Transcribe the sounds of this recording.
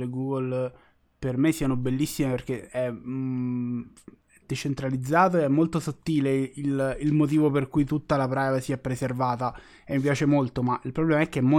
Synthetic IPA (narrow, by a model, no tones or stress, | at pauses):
leɡuːɡol | permesiːanobelːisːimeperk̟eɛ | d̪̥et͡ʃent̪ɾalid̪zːaːt̪̬oeɛmːolt̪osot̪ːiːleililmot̪̬iːvoperkujt̪ut̪ːalapɾajvasiɛpːɾeservaːt̪a | emːip̬jaːt͡ʃemolt̪omaʔilpɾoblɛːmaɛk̟ːeɛmːo